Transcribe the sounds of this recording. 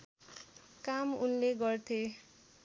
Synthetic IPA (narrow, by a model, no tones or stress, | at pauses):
kamunleɡʌrt̪ʰe